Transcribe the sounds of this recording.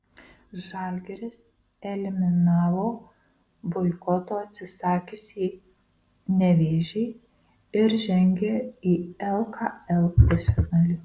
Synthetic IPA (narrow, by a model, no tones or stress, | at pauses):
ʒɑːlʲɡʲɛɾʲɪs | ɛlʲɪmʲɪnɑːʋoː | bɔɪkɔt̪oːɐt̪ʲsʲɪsɑːkʲʊsʲɛː | nʲɛʋʲeːʒʲɛɪ | ɪɾʒʲɛŋʲɡʲeːiːɛlˠkʰɑɛlˠpʲɛsʲonɑːlʲɪ